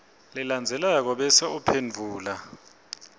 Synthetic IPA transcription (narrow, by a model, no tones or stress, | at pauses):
lɛland͡zʱɛlak̬ɔɓɛsɛupʰenvʱuːla